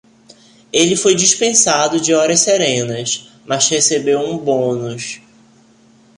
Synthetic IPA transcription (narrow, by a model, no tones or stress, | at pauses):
elɪfojd͡ʒiʃpẽsad̪ʊd͡ʒɪɔɾɐʃsɛɾẽnɐs | mɐzhesebewũbõnʊʃ